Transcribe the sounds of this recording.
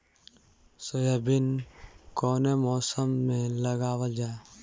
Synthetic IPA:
sojabɪnkɔːnemɔːsəmːẽləɡaːwad͡ʒaːe

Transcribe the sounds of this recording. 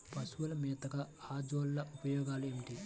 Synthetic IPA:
pɐsuʋɐlɐmɛːt̪ɐɡaaːd͡ʒoːlːɐʔupɐjɔːɡaːlueːmiʈi

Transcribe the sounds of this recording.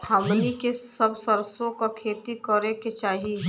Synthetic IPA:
hɐmnikesɐbsəɾsõkakʰeːt̪ikəɾẽket͡ʃaːɦi

